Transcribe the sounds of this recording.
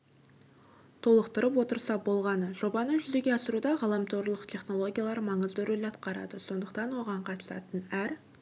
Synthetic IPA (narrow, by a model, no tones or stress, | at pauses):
t̪ʰo̞lˠəqt̪əɾəpwo̞t̪əɾsɑbo̞lˠʁɑnəʒo̞bɑnəʒʏze̞ɡʲe̞ɑsəɾud̪ɑʁɑlˠɑmt̪ʰoɾlˠəqt̪ʰe̞χno̞lˠo̞ɡʲijalˠɑɾmɑɴəzd̪ɵɾelɑt̪̚qɑɾɑ̰d̪əso̞nd̪əqt̪ɑnwo̞ʁɑɴqʰɑt̪əsɑ̰t̪ənæɾ